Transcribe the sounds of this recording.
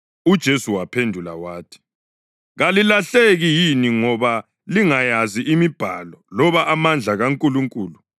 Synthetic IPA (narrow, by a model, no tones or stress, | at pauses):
ud̥ʒ̥ʱesuwapʰendʱula̰waːtʰi̥ | ɣalilaɬeɣijiniŋɔβa | liŋajaziʔimib̥ʱa̰lɔlɔβaʔamand͡ɮʱaɣaŋkʼuluŋkʼuːlu